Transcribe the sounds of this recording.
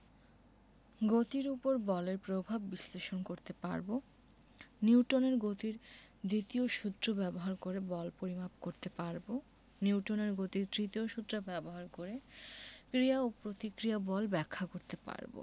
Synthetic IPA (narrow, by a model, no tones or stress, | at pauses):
ɡot̪iɾupoɾbɔleɾpɾobʱabːisleʃonkoɾt̪epa̰ɾbo | niwʈoneɾɡot̪iɾd̪it̪ioʃud̪ɾobɛboɦaɾkoɾebɔlpoɾimapkoɾt̪epaɾbo | niwʈoneɾɡot̪iɾd̪ɾit̪ioʃud̪ɾobɛboɦaɾkoɾekɾijaopɾot̪ikɾiabɔlbɛkʰːakoɾt̪epa̰ɾbo̰